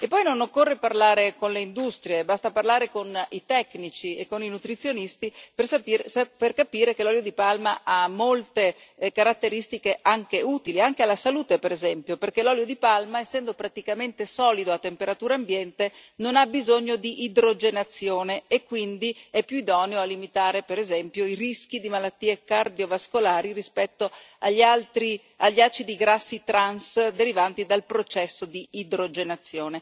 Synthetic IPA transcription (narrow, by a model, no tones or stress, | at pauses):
epːɔjnonokːorːeparlaːɾekonleind̪ust̪ɾjebast̪aparlaːɾekonit̪ɛkːnit͡ʃiekːoninut̪ɾit̪sːjonist̪ipersapiperkapiːɾek̟elɔljod̪ipalmaʔamːolt̪ekaɾat̪ːeɾist̪ikeʔaŋk̟euːt̪iliaŋk̟ealːasaluːt̪epeɾezɛmpjoperk̟elɔːljod̪ipalmaɛsːɛnd̪opɾat̪ikament̪esɔːlid̪oat̪ːempeɾat̪uːɾaːmbjɛnt̪enonabizoɲːod̪iʔːd̪ɾod͡ʒenat̪sːjoːneekːwind̪iɛpːjuid̪ɔːneoalːimit̪aːɾepeɾezɛmpjoirisk̟id̪imalat̪ːiːekard̪iovaskolaːɾirispɛt̪ːo | aʎːalt̪ɾi | aʎːat͡ʃid̪iɡɾasːit̪ɾansd̪eɾivant̪id̪alpɾot͡ʃɛsːod̪iːd̪ɾod͡ʒenat̪sːjoːne